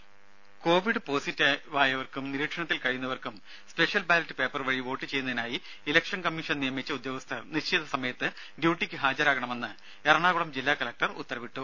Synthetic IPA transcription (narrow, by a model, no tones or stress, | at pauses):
ko̞ːʋiɽɨpo̞ːsitːɐʋaːjɐʋɐrkumniɾiːkʂɐɳɐt̪ːilkɐɻijunːɐʋɐrkum | spe̞ʂjɐlbaːlɐtːɨ̥pe̞ːpːɐrʋɐɻiʋo̞ːʈːɨt͡ɕe̞jːunːɐðinaːji | ilɐkʂɐnkɐmːiʂɐnnijɐmit͡ɕːɐud̪joːɣɐst̪ʰɐniɕt͡ɕːʰiðɐsɐmɐjɐt̪ːɨ | ɖjuːʈːikʲːɨɦaːd͡ʑɐɾaːɣɐɳɐme̞nːɨ | erɐɳaːɣuɭɐmd͡ʑilːaːkɐlɐk̚ʈɐrṵt̪ːɐɾɐʋiʈːu